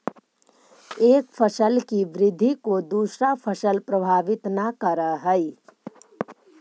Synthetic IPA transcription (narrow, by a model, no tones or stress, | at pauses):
eːkfʰəsəlkiʋɾɪd̪ʱːikod̪uːsɾafʰəsəlpɾɐbʱaːʋɪt̪nakəɾəɦəi